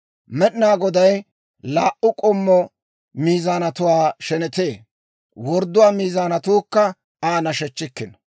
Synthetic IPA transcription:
mɛɗɪnaːɡɔd̪ɐj | laːʔʊkʼɔmːɔ | miːzaːnɐt̪ʊwaːʃɛnɛt̪e̞ː | wɔɾd̪ːʊwaːmiːzaːnɐt̪uːkːɐ | aːnɐʃɛt͡ʃːɪkːɪn

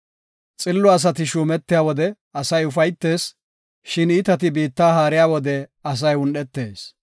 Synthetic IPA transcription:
t͡sʼɪlːɔɐs̬ɐt̪ɪʃuːmɛt̪ːɪjaːwɔd̪ɛ | ɐsɐjʊfɐjt̪ːe̞ːs | ʃɪnɪt̪ɐt̪̬ɪbiːt̪ːaːɦaːɾɪjaːwɔd̪ɛɐs̬ɐjʊnɗɛt̪ːe̞ːs

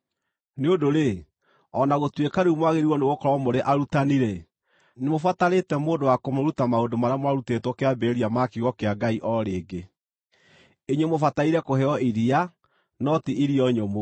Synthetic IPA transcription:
neodoɾe | ɔnaɣotwekaɾeumwaɣeɾiwɔneɣokɔɾɔɔmoɾeʔaɾutaniɾɛ | nemofataɾetɛmoːndowakomoɾutamaodomaɾeamwaɾutetwɔkeabeɾiamakiɣɔkeaɡaiʔɔɾeːɡe | eɲwemofataiɾɛkohɛɔiɾia | nɔtiʔiɾiɔɲomo

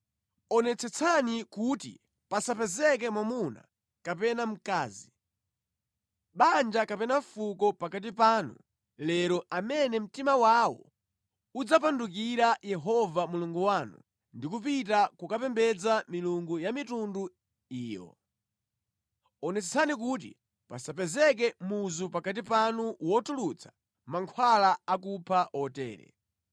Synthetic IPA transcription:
ɔnɛt͡sʰɛt͡sʰanikutḭ | pasapɛzɛk̬ɛmwamuna̰ | kapɛnam̩kaːzi | ɓand͡ʒakapɛnafukɔpakat̬ipaːnṵ | lɛɾɔʔamɛnɛm̩timawawɔ̰ | ud͡zap̬anduk̬iɾajɛɦɔvamuluŋɡuwaːnṵ | ndikupitakukapɛmbɛd͡zamiluŋɡujamitundu | iːjɔ̰ | ɔnɛsɛsanik̬ut̬ḭ | pasapɛzɛk̬ɛmuzupakat̬ipanuwɔtulut͡sʰḁ | maŋkʰwalaak̬upʰaʔɔtɛ̰ːɾɛ̰

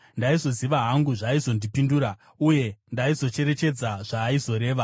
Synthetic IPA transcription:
ndaizo̞ziʋaɦaŋɡuʐaizo̞ndipinduɾa | uje̞ndaizo̞t͡ʃe̞ɾe̞t͡ʃe̞d͡zaʐ̥aːizo̞ɾe̞ːʋa

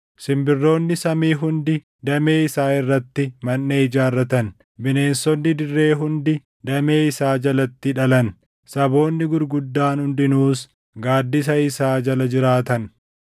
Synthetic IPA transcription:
sɪmbɪrːo̞ːnːɪsɐmiːɦʊnd̪ɪ | d̪ɐme̞ːɪsaːɪrːɐt̪ːɪmɐnːeːɪd͡ʒaːrːɐt̪ɐn | bɪne̞ːnsɔnːɪd̪ɪrːe̞ːɦʊnd̪ɪ | d̪ɐme̞ːɪsaːd͡ʒɐlɐt̪ːɪᶑɐlɐn | sɐbo̞ːnːɪɡʊɾɡʊd̪ːaːnhʊnd̪ɪnuːs | ɡaːd̪ːɪs̬ɐɪsaːd͡ʒɐlɐd͡ʒɪɾaːt̪ɐn

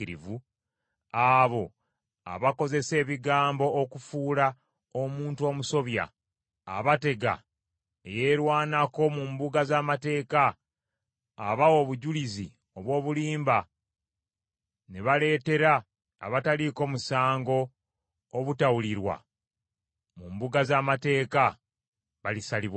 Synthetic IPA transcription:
iɾḭvu | aβo̞ | a̰βako̞ze̞se̞ːβiɡaːmbo̞ʔːkufuːla | omuːntuo̞ːmuso̞βja̰ː | βate̞ɡa̰ | ejeːɾwaːnako̞mumbuɡazaːmate̞ːka | βawo̞βuɟulizḭ | o̞βwo̞ːβuliːmba | neβale̞ːte̞ɾa̰ː | βataliko̞ːmusaːŋɡo̞ː | βutawuliɾwa̰ | mumbuɡazaːmate̞ːka | βalisaliβa

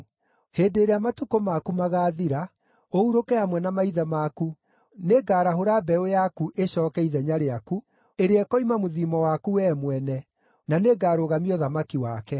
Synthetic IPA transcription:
heːdeːɾeamatukomakumaɣaːðiɾa | ouɾokɛamwɛnamaiðamaːku | neɡaːɾaɦoɾabɛojakuʔeɕɔːkɛiðɛɲaɾeaku | eɾeɛkɔimamoðiːmɔwakuɛːmwɛnɛ | naneɡaːɾoːɣamiɔðamakiwaːkɛ

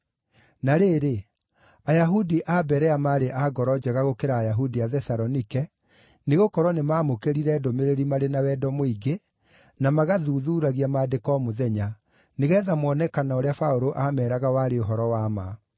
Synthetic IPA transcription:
naɾeːɾe | ajaɦudiʔabɛɾɛamaːɾeʔaɡɔɾɔd͡ʑɛɣaɣokeɾaːjaɦudiaðɛsaɾɔnikɛ | neɣokɔɾwɔnemaːmokeɾiɾɛːdomeɾeɾimaɾenawɛdɔmoiɡe | namaɣaðuːðuːɾaɣiamaːdekɔːmoðɛɲa | neɣɛːðamwɔnɛkanaoɾeafaoɾoʔamɛːɾaɣawaːɾeoɦɔɾɔwaːma

